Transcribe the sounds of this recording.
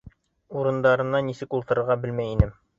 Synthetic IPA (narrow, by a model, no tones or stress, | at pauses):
uɾɤ̆nd̪ɑɾɤ̆nɑnːisɘkulˠt̪ɤ̆ɾɤ̆ɾʁɑbɘlmæjinɘm